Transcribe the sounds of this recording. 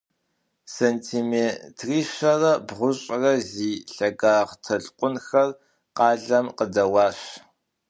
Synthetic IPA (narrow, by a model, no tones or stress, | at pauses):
seːntʰiːmeːtʰriːʃɐrɐbʁʷʊɕʼrɐziːɬɐɡaːʁtʰɐɮqʷʼʊnxɐr | qɑːɮɐmqədɐwɑːɕ